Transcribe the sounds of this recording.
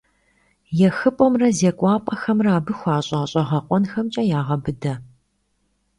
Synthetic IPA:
jɛxɨpʷʼɔmrɐzeːkʷʼɑːpʼɐxɐmraːbɨxʷɑːɕʼɑːɕʼɐʁɐqʷʼɔnxɐmt͡ʃʼɐjaːʁɐbɨdɐ

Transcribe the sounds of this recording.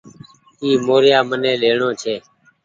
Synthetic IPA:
kiːmoːɾjaːmənẽːleːɳoːt͡ʃʰeː

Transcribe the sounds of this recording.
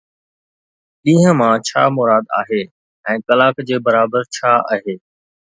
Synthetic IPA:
ɗĩːɦə̃mãt͡ɕʰa̰ːmʊɾaːd̪a̰ːɦeː | ɛ̃ːkɐlaːkd͡ʑeːbɐɾaːbəɾt͡ɕʰaːa̰ːɦeː

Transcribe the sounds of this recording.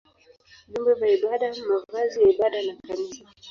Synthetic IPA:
ʄumbɛvaiɓaɗamavazijaiɓaɗanakanisa

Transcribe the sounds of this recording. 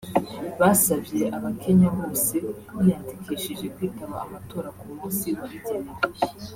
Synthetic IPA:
βasaβje̞ʔaβakʰe̞ɲaβo̞ːse̞ | βijatekʰeʃeʒe̞kwiːtaβa̰ːmato̞ːɾakumũːnsiβaβiɟeneɾ

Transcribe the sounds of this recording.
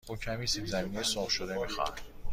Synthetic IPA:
ucʰæmiːsibzæmiːnejsɒːfʃod̪emixæ̰ɾ

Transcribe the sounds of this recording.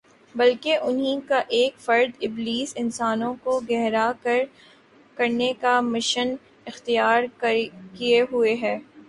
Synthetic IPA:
bɐlkeʔʊnɦĩkaʔeːkfɐɾd̪ɪbliːsɪnsaːnõkoɡɛɦɾa | kɐɾnekamɪʃən | ɪxt̪ijaːɾkieɦueɦɛː

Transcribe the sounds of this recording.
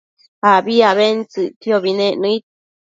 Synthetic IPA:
aβiaβent͡sɨʔt̪joβinẽʔnɨ̃it̪̚

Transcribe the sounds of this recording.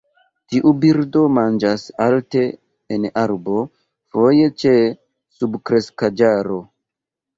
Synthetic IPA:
tiʔubiɾdo̞mand͡ʒasalte̞ː | naɾbo̞ | fo̞je̞t͡ʃe̞ | subkɾe̞skad͡ʒaɾo̞

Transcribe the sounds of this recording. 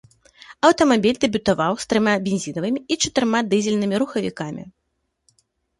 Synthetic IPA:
ɐwt̪ɐmabʲilʲd̪ɛbʲut̪avawst̪ɾɨmabʲinʲzʲinɐvɨmʲiit͡ʂɐt̪ɨɾmad̪ɨzʲɛlʲnɨmʲiɾuxɐvʲḭkamʲḭ

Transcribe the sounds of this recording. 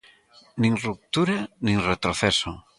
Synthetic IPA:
nĩŋrup̚t̪uɾanĩŋret̪ɾoθeso

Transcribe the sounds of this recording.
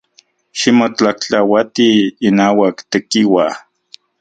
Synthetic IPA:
ʃimot͡ɬakt͡ɬawat̪iːnaːwakt̪ekiwa

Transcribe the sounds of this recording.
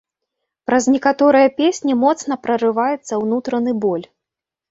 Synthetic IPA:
pɾɐznʲɛkat̪ɔɾɨjɐpʲesʲnʲimɔt̪sn̪ɐpɾɐrɨvajɛt̪sːɐwnut̪ɾɐnɨbɔlʲ

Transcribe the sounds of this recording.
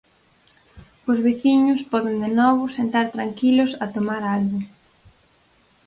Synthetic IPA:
ʊzβiθiɲʊspɔðɪnd̪enɔβʊsent̪aɾt̪ɾaŋkilʊsɐt̪omaɾalɣʊ

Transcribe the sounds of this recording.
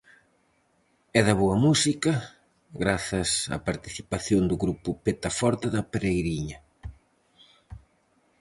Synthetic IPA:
ɛðɐβoɐmusikɐ | ɣɾaθɐsɐ̰paɾt̪i̥θipaθjoŋd̪ʊɣɾupʊpet̪ɐfɔɾt̪ɐðɐpeɾejɾiɲɐ

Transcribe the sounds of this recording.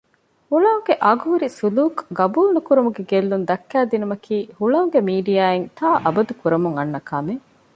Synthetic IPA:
huɭɐuŋɡeʔɐːɡuɦuɾisuluːkɡɐbuːlnukuɾɐmuɡeɡelːund̪ɐkːæːd̪inumɐkʰiːhuɭɐuŋɡemiːɖijaːent̪ʰaːʔɐbɐd̪ukuɾɐmuŋɐnːɐkaːme

